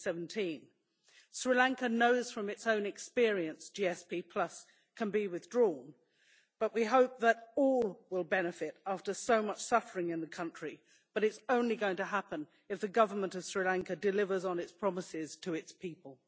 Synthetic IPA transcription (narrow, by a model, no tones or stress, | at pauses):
sɛvn̩tʰĩn | sɹilæ̃ŋkɨnoʊz̥fɹʌ̃mɨtsõʊ̃nɨkspɪɹiɨ̃nsd̥iɛspipʰl̥ʌs | kʰɨ̃nbiwɨðdɹɔ̃n | b̥ʌʔwiɦoʊp̚ðəɾɔlˠwɪlˠbɛnɨfɪɾæftə˞soʊmʌt͡ʃsʌfə˞ɪ̃ŋɨ̃nðɨkʰʌ̃nt͡ʃɹ̥i | b̥ʌɾɨtsõʊ̃nliɡoʊɪ̃ŋtɨɦæpɨ̃n | ɨfðɨɡʌvə˞mə̃ntʌv̥sɹilæ̃ŋkɨdɨlɪvə˞zn̩ɨtspʰɹ̥ɑməsɪz̥tʰɨɪtspʰipəlˠ